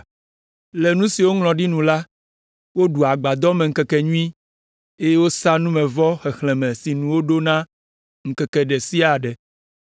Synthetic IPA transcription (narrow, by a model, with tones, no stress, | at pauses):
le˨nũ˦si˨wo˦ŋlɔ̃˨ɖi˦nũ˨la˦ | wo˦ɖu˨a˨ɡ͡ba˨d̪ɔ˦mɛ˨ŋ̩˦kɛ˦kɛ˦ɲũ˦ĩ˦ | e˦je˦wo˦sa˦nũ˦mɛ̃˨vɔ˦xɛ˨xlɛ̃˨mɛ̃˨si˨nũ˨wo˦ɖo˦nã˦ | ŋ̩˨kɛ˨kɛ˨ɖɛ˨si˦a˨ɖɛ˨